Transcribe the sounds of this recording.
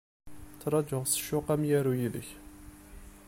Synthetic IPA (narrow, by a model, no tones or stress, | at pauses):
t͡sːɾˤɑd͡ʒəʁsə̥ʃːʊqæmjæɾujilə̰ç